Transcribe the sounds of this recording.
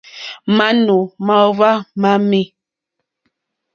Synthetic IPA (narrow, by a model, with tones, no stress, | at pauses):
ma˦nu˨ma˦˨va˦ma˦mi˦